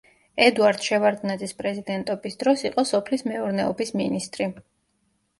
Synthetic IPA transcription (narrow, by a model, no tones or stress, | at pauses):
ɛd̪uaɾd̪̥ʃɛvaɾd̪ʼnad̪zispʼɾɛzid̪ɛnt̪ʼɔbisd̪ɾɔsiqʼɔsɔpʰlismɛuɾnɛɔbisminist̪ʼɾi